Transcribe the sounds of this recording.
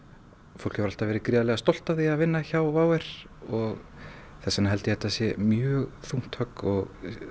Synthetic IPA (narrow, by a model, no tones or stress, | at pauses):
fowl̥khɛvʏɾalt̪avɛːɾɪkɾiðalɛɣast̪ɔwl̥t̪aðiaðvɪnːaçawvaːwɛɾ̥ | ɔɣθɛsːanɦɛlt̪ɪhɛt̪ːasjɛmjœːɣθuŋ̥t̪hœkɔɣ